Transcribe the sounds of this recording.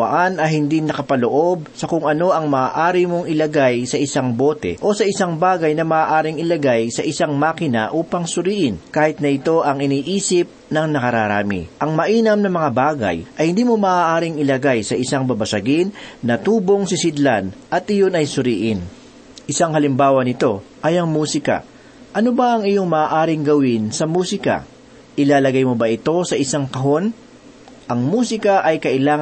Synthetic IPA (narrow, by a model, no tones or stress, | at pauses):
ɐ̰ʔanɐhɪnd̪inɐkɐpɐloʔo̞b̚sɐkʊŋɐno̞ʔɐŋmɐaːʔaːɾɪmoŋɪlɐɡajsɐʔɪsaŋbo̞ːt̪ɛ̰ʔo̞sɐʔɪsaŋbaːɡɐjnɐmɐʔaːʔaːɾɪŋɪlɐɡajsɐʔɪsaŋmaːkɪnɐ̰ʔuːpɐŋsʊɾiːʔɪnkaːhɪt̪̚nɐʔɪt̪o̞ʔɐŋɪniːʔiːsɪp̚nɐŋnɐkɐɾaɾa̰ːmɪ̰ʔɐŋmɐʔiːnɐmnɐmɐŋabaːɡɐ̰jʔɐjhɪnd̪iːmomɐːʔaːʔaːɾɪŋɪlɐɡajsɐʔɪsaŋbɐbɐsɐɡɪnnɐt̪uːbo̞ŋsɪsɪd̪land̪ʔɐt̪ʔɪjo̞nɐjsʊɾiːʔɪn | ʔɪsaŋhɐlɪmbaːwɐnɪt̪o̞ | ʔɐjɐŋmuːsɪkɐ̰ | ʔɐno̞bɐʔɐŋɪjo̞ŋmɐaːʔaːɾɪŋɡɐwɪnsɐmuːsɪkɐ̰ | ʔɪlaːlɐɡajmobɐʔɪt̪o̞sɐʔɪsaŋkɐɦo̞n | ʔɐŋmuːsɪkɐʔɐjkɐʔɪlaːŋ